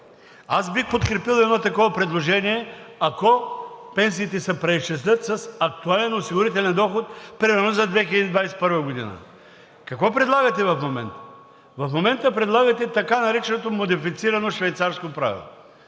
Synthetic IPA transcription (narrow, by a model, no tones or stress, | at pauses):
asbixpot̪kɾɛpilˠɛd̪nɔt̪ɐkɔvɐpɾɛd̪lˠoʒɛniɛɐkɔpɛns̬iːt̪ɛsɛpɾɛist͡ʃɛslʲət̪sɐsɐk̚t̪ualɛnosiɡʊɾit̪ɛlʲɛnd̪ɔxot̪̚pɾimɛɾnozɐd̪vɛxilʲəd̪id̪vajsɛt̪pɤɾvəɡod̪ḭnə̰ | kɐkvɔpɾɛd̪lˠaɡɐt̪ɛvɐfmomɛ̰nt̪ə̥ | vɐfmomɛnt̪əpɾɛd̪lˠaɡɐt̪ɛt̪ɐkanɐɾɛt͡ʃɛnot̪omod̪ifit̪siɾɐnoʃvɛjt̪saɾskopɾa̰vḭlˠo̰